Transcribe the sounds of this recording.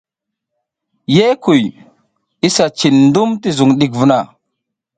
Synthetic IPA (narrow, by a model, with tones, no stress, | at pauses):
je˦ku˨j | i˦sa˨t͡ʃi˨nndu˦mti˦zu˨ŋɗi˨kvu˦na˨